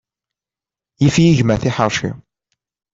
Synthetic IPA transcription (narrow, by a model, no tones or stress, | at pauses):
jifjiʝmæθiħəɾˤʃḭ